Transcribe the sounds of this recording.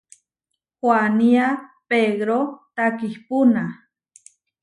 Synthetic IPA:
xwaniapeɣɾot̪akihpuna

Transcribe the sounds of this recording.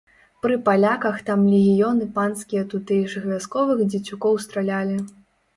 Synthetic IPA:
pɾɨpalʲakɐxt̪amlʲɛɣʲijɔnɨpanskʲijɐt̪ut̪ɨʐɨxvʲaskɔvɨxd͡zʲit͡sʲukɔwst̪ɾalʲalʲi

